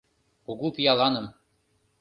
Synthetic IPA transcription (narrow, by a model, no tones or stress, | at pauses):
uɣupijɑlˠɑnɤ̆m